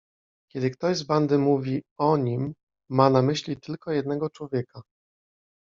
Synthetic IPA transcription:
kʲɛd̪ɘkt̪ɔʑzband̪ɘmuvʲiɔɲimː | anamɘɕlʲit̪ɘlkɔjɛd̪̚nɛɡɔt͡ʂwɔvʲjɛka

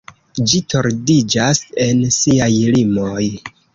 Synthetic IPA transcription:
d͡ʒito̞ɾdid͡ʒase̞nsiajlimoj

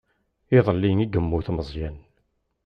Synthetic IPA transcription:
ɪðˤəlːiniɡəmːuθməzˤjæn

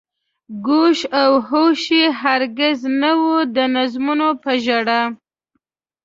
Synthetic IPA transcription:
ɡuʃawɦoʃiɦaɾɡɪznawud̪ənazmunopəʒaɽa

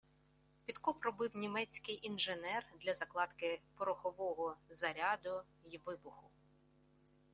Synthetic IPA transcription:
pʲid̪kɔpɾɔbɪwnʲimɛt͡sʲkɪjʔinʒenɛrd̪lʲɐzɐklˠɑd̪kɪpɔɾɔxɔʋɔɦɔzɐɾʲɑd̪ʊ | jʋɪbʊxʊ

